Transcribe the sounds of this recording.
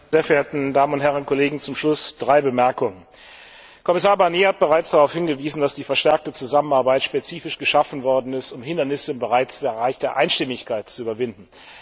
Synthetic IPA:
zeːɐfɛɐʔeɐtn̩daːmənʊnthɛʁənʊnkʰoleːɡŋ̩t͡sʊmʃlʊsd̥ʁaɪbəmɛɐkʊŋən | kʰɔmɪsaːɐbaɐnjeːhat̚b̥əʁaɪt͡sd̥aʁaʊfhɪnɡəviːzn̩dasd̥iːfɛɐʃtɛɐk̚tət͡suzamənaɐbaɪtʃpet͡siːfɪʃɡ̥əʃafn̩vɔɐdn̩ɪstʊmɦɪndɐnɪsəɪmbəʁaɪt͡sɛɐʁaɪçd̥eːɐʔaɪnʃtɪmɪçkʰaɪtt͡suʔyːbɐvɪndn̩

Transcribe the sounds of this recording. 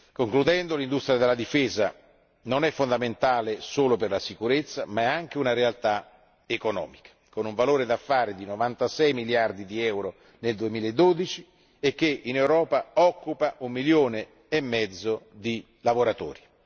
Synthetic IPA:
koŋklud̪ɛnd̪olind̪ust̪ɾjad̪elːad̪ifeːza | nonɛfːond̪ament̪aːlesoːloperlasikuɾet̪sːamaɛaŋk̟eunaɾealt̪a | ekonɔ̰ːmikḁkonuɱvaloːɾed̪afːaːɾed̪inovant̪asɛjmiljard̪id̪iɛwɾo | neld̪uemiːlaed̪ːod̪it͡ʃi | ek̟ːeʔinewɾɔːpaɔkːupaʔumːiljoːne | emːɛd̪zːod̪i | lavoɾat̪ɔ̰ːɾi

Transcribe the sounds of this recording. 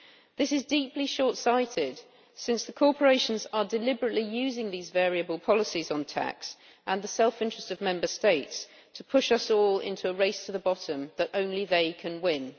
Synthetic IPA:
ðɪsɪzdiˑpliʃɔˑɹtsaɪtʰɪd̥ | sɪ̃nsðəkʰɔˑpʰəɹeɪʃə̃nzədɪlɪbəɹəʔlijʉːzɪ̃ŋðiːzvɛːɹiəbəlˠpʰɒləsizn̩tʰa̰ks | ʔə̃nðəsɛlˠfɪ̃nt͡ʃɹ̥əstəvmɛ̃mbəsteɪts | tʰəpʰʊʃʌsɔːlɪ̰̃ntʰuəɹeɪstʰəðəbɒtə̃mðətə̃ʊ̃nliðeɪkʰə̃nwɪ̃n

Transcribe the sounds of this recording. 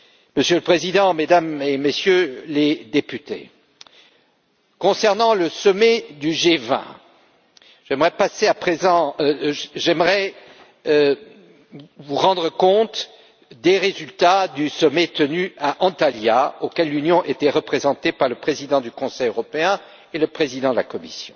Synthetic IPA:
məsjøləpχezid̪ɑ̃med̪amemesjøled̪epyt̪ḛ | kɔ̃sɛʁnɑ̃ləsɔmɛd̪yʒevɛ̰̃ | ʒ̥ɛmʁɛpaseapχezɑ̃ | ʒɛmʁɛ | vuʁɑ̃d̪ʁəkɔ̃t̪ | d̪eʁezylt̪ad̪ysɔmɛt̪ənyaʔɑ̃t̪aljaokʲɛlːynjɔ̃ʔet̪ɛʁəpχezɑ̃t̪epaʁləpχezid̪ɑ̃d̪ykɔ̃sɛjøʁɔpeɛ̃ | eləpχezid̪ɑ̃d̪əlakɔmisjɔ̰̃

